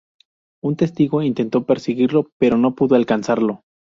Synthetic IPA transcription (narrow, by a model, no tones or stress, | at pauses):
unt̪e̞st̪iɣo̞int̪e̞nt̪o̞pe̞ɾsiɣiɾlo̞pe̞ɾo̞no̞puðo̞alkansaɾlo̞